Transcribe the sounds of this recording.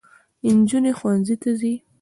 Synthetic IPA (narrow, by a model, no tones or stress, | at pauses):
ɪnd͡ʒunexwanzit̪azi